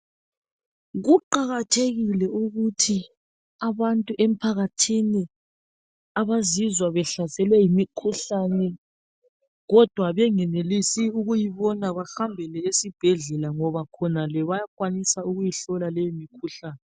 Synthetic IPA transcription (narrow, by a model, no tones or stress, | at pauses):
ɣuǃaɣatʰeɣilɛuɣutʰi | aβantʼuʔem̩pʰaɣatʰini | aβazizwaβɛɬasɛlwɛjimikʰuɬanɛ | ɣɔd̥ʱwaβɛŋɛnelisiuɣujiβɔnaβaxambʱɛlɛesib̥ʱɛɮɛlaŋɔβakʰɔnalɛβajakwanisauɣujiɬɔlalɛjimikʰuɬaːnɛ